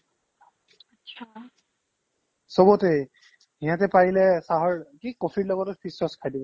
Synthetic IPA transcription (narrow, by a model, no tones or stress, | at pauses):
atʃʰa | sobɔtej | hijatɛpajilɛsaɦɔɹkikofʰiɹlɔɡɔtɔtpʰisɔskʰajdibɔ